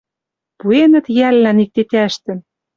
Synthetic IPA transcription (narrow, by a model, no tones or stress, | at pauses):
puenə̆t̪jælːænik̚t̪et̪æʃt̪ɘ̆m